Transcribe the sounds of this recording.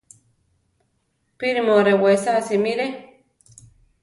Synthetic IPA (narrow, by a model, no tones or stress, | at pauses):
piɾimoɾewesasimiɾe